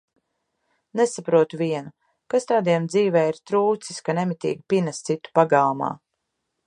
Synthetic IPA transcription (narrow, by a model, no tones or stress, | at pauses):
nesapɾuɔt̪uviɛnu | kast̪aːd̪iɛmd̪ziːvɛːiɾt̪ɾuːt̪siskanemit̪ḭːɡipinast̪sit̪u̥paɡaːma̰ː